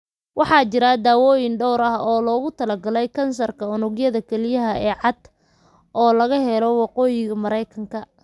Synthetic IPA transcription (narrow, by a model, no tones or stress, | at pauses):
wʔɑħɑːt͡ʃɪɾad̪aːwɔːjɪnɖɔwɾɐɦɔːlɔːɣʊt̪ʰɐlɐɡɐlɛjkʰɐnsɐrkʰɐʊnʊɣjɐðɐkʰɛlɪjɐɦɐɛːʕɑd̪ | ʔɔːlɐɣɐɦɛlɔwɑqɔːjɪɣɐmɐɾɛjkʰɐŋkʰɐ